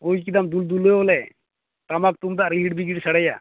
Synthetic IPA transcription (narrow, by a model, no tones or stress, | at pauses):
ojk̬id̪amd̪uld̪ulɔjbɔlɛ | t̪amak̚t̪umd̪aʔɾiɦiʈbiɡiʈsaɽaja̰